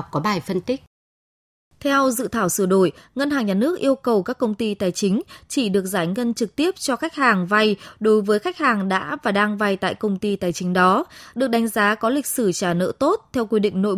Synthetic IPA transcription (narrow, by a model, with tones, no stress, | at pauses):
k͡p̚kɔ˨˦ɓaː˨˩jfə˧nt̪ï˦˥k̚ | t̪ʰɛ˧wzɨ̰˧˨t̪ʰaː˧˩wsɨ˧˩əɗo˧˩jŋə˧nhaː˨˩ŋɲaː˨˩nɨ˦˥ək̚ʔi˧əwkə˨˩wkaː˦˥kːə˧wŋ͡mt̪i˧t̪aː˨˩jt͡ɕï˨˦ŋ̟t͡ɕi˧˩ɗɨ˨˩ək̚zaː˧˩jŋə˧nt͡ɕɨ˨˩k̚t̪i˦˥əp̚t͡ɕɔ˧xa˦˥jk̟̚haː˨˩ŋva˧jɗo˨˦jvəː˨˦jxa˦˥jk̟̚haː˨˩ŋɗa̰ː˧˥vaː˨˩ɗaː˧ŋva˧jt̪a̰ː˧˨jkə˧wŋ͡mt̪i˧t̪aː˨˩jt͡ɕï˨˦ŋ̟ɗɔ˨˦ɗɨ˨˩ək̚ɗa˨˦jŋ̟zaː˨˦kɔ˨˦lï˨˩k̟̚sɨ˧˩t͡ɕaː˧˩nə̰ː˧˥t̪o˦˥t̚t̪ʰɛ˧wkwi˧ɗḭ˧˨ŋ̟no̰˧˨j